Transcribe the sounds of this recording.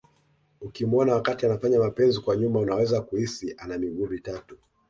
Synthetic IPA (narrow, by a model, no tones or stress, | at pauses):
ukimɔnawakatianafaɲamapɛnzikwaɲumaunawɛzakuhisiʔanamiɠuːvitatu